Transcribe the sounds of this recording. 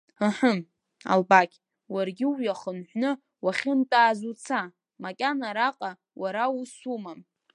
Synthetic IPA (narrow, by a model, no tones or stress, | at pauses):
əħəm | a̰lbakʲ | warɡʲɪwjaχənħʷnɨ | waχʲɪntʼaːzut͡sʰa | makʲʼanaɾaqʼa | waɾausumam